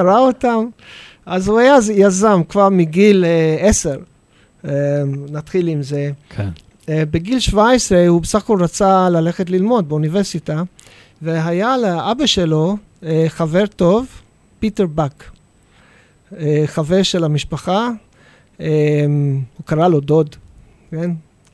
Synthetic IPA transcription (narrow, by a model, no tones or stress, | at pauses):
kaʁaotam | azhuajazjazamkvaʁmiɡileeseʁ | enat̪χilimzekʰ | beɡilʃvaesʁehubesaχkolʁat͡salaleχet̬lilmo̞d̪̚beuniveʁsita | veɦajaleabaʃe̞lo̞ | eχave̞ʁto̞v | piteʁbak | eχave̞ʁʃelamiʃpaχa | emhukaʁalo̞do̞d | ken